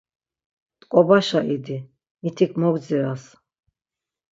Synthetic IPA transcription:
t̪ʼkʼɔbaʃaʔid̪i | mit̪ʰikʰmɔɡ̪d͡ziɾas

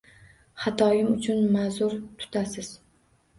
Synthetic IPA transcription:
χat̪ʰɒjɪmʊt͡ʃʰʊnmazʊɾt̪ʰʊ̥t̪ʰasɪz̥

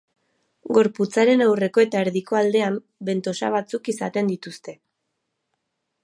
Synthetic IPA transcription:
ɡo̞ɾput͡saɾe̞nawre̞ko̞e̞t̪aeɾðiko̞ald̪e̞am | be̞nt̪o̞sa̰β̞at͡sukisat̪e̞nd̪it̪ust̪e̞

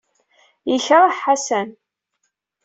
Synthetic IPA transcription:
jəçɾˤaħħasæn

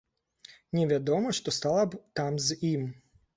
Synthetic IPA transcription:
nʲɛʋʲad̪ɔmɔʂt̪ɔst̪ɑlˠɐbt̪amzim

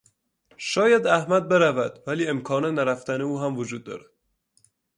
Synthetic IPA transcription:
ʃɒːjæd̪æhmæd̪̚be̞ɾævæd̪væliːemkʰɒːnenæɾæft̪æneuːɦæmvod͡ʒuːd̪̚ːɒ̰ːɾæd̪̥

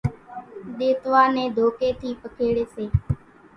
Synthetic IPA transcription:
ɗ̪eːt̪ʋaːnẽːd̪ʱoːkeːt̪ʰiːpəkʰeːɽeːseː

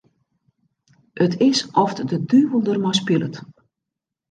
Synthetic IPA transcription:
ʔətʰɪsʔɔfdədyːʋəlˠdərmaspɪlə̰t

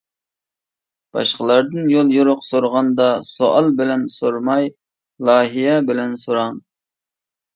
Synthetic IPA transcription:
b̥ɑ̰ʃqəlˠɑɾd̪ɨnjolˠjuɾʊqsoɾʁɑnd̪ɑsoʔɑlˠbɪlɛnsoɾmɑj | lˠɑːɦijɛbɪlɛnsoɾɑŋ

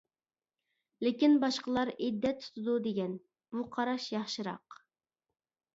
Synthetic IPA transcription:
lɪkʲinbɑʃqəlˠɑɾid̪ːɛt̪ʰu̥t̪ʰɨd̪ud̪eɡʲɛn | b̥uqʰɑɾɑʃjɑχʃɨɾɑ̰q

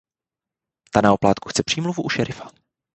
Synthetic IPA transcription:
t̪anaoplaːt̪ku̥xt͡sɛpr̥iːmluvuʔuʃɛɾʔɪfḁ

